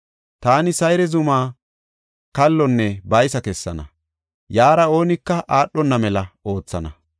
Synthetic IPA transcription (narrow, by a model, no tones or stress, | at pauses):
t̪aːnɪsɐjɾɛzʊmaː | kɐlːɔnːɛbɐjsɐkɛsːɐ̰nɐ̰ | jaːɾɐo̞ːnɪkːɐʔaːɗːɔnːɐmɛlɐo̞ːt͡sːɐnɐ̰